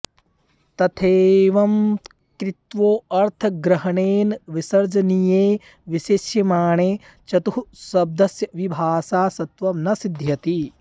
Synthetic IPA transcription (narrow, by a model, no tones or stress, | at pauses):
t̪ɐt̪ʰeːʋɐm | kɾit̪ʋoːɐɾt̪ʰɐɡɾɐɦɐɳeːnʋisɐɾd͡ʒɐnijeː | ʋiʃeʃjɐmaːɳeː | t͡ʃɐt̪uɦusɐb̚d̪ɐsjɐʋibʱaːsaːsɐt̪ʋɐmnɐsid̪ʱjɐt̪i